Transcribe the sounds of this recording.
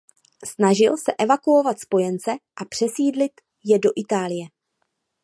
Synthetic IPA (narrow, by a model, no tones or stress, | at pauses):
snaʒɪlsɛʔɛvakuovat̪spo̞jɛnt͡sɛʔapr̝̥ɛsiːdlɪt̪ | jɛdo̞ʔɪt̪aːlɪjɛ